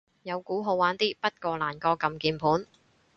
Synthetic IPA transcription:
jɐ˨˧wkuː˨˥ɦo˨˧waː˨˥nt̪iː˥pɐ˥t̚kɔː˧laː˨˩nkɔː˧kɐ˨mkiː˨˧npʰuː˨˥n

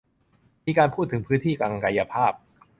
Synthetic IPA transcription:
miː˧kaː˧npʰuː˥˩t̪ʰːɯ˩˦ŋpʰɯː˦˥nt̪ʰiː˥˩kaː˧ŋ˧ka˧ja˧pʰaː˥˩p̚

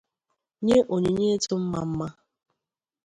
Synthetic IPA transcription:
ɲe˦ʔo˨ɲe˨ɲe˦tu˦m̩˦ma̰˨m̩˦ma˦

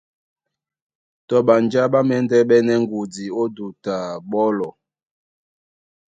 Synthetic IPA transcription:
tɔ˨ɓa˨nd͡ʒa˦ɓa˦mɛ˦ndɛ˦ɓɛ˦nɛ˦ŋɡu˨di˨o˦du˨ta˨ɓɔ˦lɔ˨

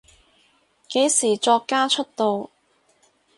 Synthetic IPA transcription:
ke˨˥jsiː˨˩t͡ʃɔː˧kːaː˥t͡ʃʰɵ˥t̚t̪o˧w

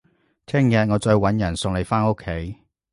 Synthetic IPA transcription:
t̪ʰɛː˥˩ŋjɐ˧t̚ŋɔː˨˧t͡sɔː˧jwɐ˨˥njɐ˨˩nsʊ˨˧ŋle˨jfaː˥no˥kʰːe˨˥j

